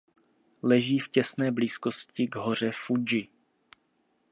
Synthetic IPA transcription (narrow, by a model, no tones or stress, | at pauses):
lɛʒiːfcɛsnɛːbliːskoscɪɡɦo̞r̝ɛfud͡ʒɪ